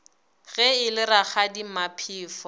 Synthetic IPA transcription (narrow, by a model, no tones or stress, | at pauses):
ɣɛɪlɪɾaχadimapʰiːfɔ